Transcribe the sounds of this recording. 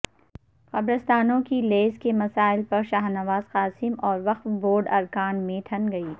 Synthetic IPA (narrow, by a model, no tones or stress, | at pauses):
xɐbɾəst̪aːnõkileːzkemɐsaːɪlpɐɾʃaːɦnɐʋaːzqaːsɪmɔːɾʋɐqfboːɾɖɐɾkaːnmẽʈʰɐ̃nɡɐiː